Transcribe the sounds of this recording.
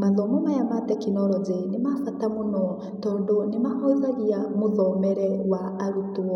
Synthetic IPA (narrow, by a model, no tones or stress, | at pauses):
malɔmɔmajamat̪ɛkʰinɔɾɔd͡zenɪmafatamunɔ | t̪ɔdɔnɪmaʔɔladiamʊðɔmɛɾɛwaːɾutuɔ